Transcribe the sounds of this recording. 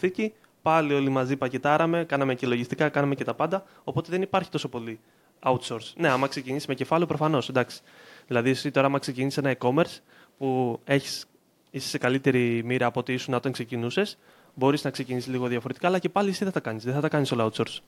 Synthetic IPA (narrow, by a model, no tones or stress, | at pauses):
θici | pɐlio̞limɐzipɐcet̪ɐɾɐme̞kɐnɐme̞celo̞ʝist̪ikɐkɐnɐme̞ce̞t̪ɐpɐnd̪ɐ | o̞po̞t̪eðe̞nipɐɾçit̪o̞so̞po̞li | ɐut̪so̞ɾsne̞ɐmɐkse̞cinisime̞ce̞fɐlupɾo̞fɐno̞send̪ɐksi̥ðilɐðiesit̪o̞ɾɐɐmɐkse̞cinisisenɐiko̞me̞ɾs | pue̞çi̥s | isi̥sekɐlit̪e̞ɾimiɾɐːpo̞t̪iisunɐt̪eksecinuse̞s | bo̞ɾiznɐkse̞cinisizliɣo̞ðjɐfo̞ɾe̞t̪i̥kaːlɐce̞pɐlisiðeɐt̪ɐkɐnisðeθɐt̪ɐkɐniso̞lɐɐut̪so̞ɾs